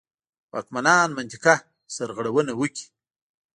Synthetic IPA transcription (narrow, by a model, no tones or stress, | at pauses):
wɑ̰ːkmanɑːnmant̪ika | saɾɣaɽawənawəkʲi̥